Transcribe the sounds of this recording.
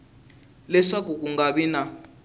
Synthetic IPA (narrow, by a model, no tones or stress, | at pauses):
lɛʂakukuŋɡaβina